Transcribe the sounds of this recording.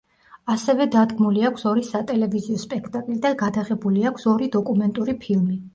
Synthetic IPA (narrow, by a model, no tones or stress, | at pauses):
asɛvɛd̪ad̪ɡmuliakʰsɔɾisat̪ʼɛlɛviziɔspʼɛkʰt̪ʼakʼlid̪anɡad̪aʁɛbuliakʷʰsɔɾid̪ɔkʼumɛnt̪ʼuɾipʰilˠmi